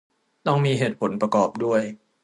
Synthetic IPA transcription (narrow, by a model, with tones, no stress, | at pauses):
t̪ɔ˥˩ŋmiː˧ɦeː˨˩t̪̚pʰo˩˦npɾa˧kɔː˨˩p̚du˥˩əj